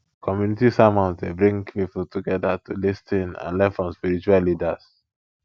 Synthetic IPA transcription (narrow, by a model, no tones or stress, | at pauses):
kʰɔmjunitisamɔ̃nsdebɹĩŋpipultʰuɡɛdatulistʰĩnã̰nlɛ̃nfɹɔ̃mspiɹit͡ʃuallidas